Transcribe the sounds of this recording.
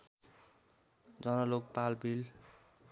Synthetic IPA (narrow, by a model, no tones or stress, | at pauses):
d͡zʌnʌlok̚palbil